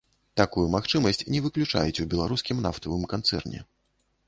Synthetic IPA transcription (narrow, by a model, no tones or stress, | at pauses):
t̪akujumaxt͡ʂɨmɐsʲt͡sʲnʲɛvɨklʲut͡ʂa̰jɛt͡sʲubʲɛlˠaɾuskʲimnaft̪ɐvɨmkant̪sɛ̰rnʲɛ̰